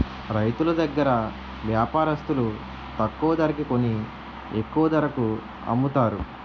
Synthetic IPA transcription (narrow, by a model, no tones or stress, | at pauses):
ɾɐjt̪ulɐd̪ɐɡːɐɾɐ | ʋjaːpaːɾɐst̪ulu | t̪ɐkːuːɐd̪ɐɾɐkiko̞ni | ekːuʋɐd̪ɐɾɐku | ɐ̰mːut̪aːɾu